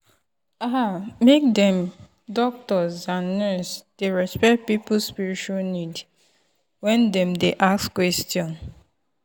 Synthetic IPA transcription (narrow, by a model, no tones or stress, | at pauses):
amek̚dɛ̃m | dɔk̚tɔzãnːɛsd̥eɹɛspɛt̚pipuspiɹit͡ʃuanid | wɛ̃ndɛ̃mdeʔakskwɛstjɔ̃n